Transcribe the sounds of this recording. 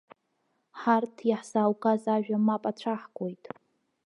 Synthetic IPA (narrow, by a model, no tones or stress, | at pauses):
ħartʰjaħsaːwkʼazaʒᶣamapʼat͡ɕʷʰaħɡʷʼojtʼ